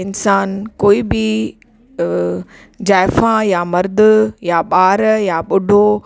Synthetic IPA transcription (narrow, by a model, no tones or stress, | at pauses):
ɪnsaːnkoːibɪ | d͡ʑaːɪfãjamɐɾd̪ʊjaɓaːɾjaɓʊɖʱo